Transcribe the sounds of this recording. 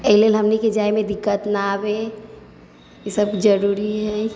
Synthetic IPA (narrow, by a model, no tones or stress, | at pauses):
eɦilelɦəmniked͡ʒaemẽd̪ɪkːət̪naːbe | jesəbd͡ʒəɾuɾiɦɛ